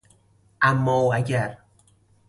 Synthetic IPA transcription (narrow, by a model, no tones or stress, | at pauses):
ʔæmːɒːæɟæɾ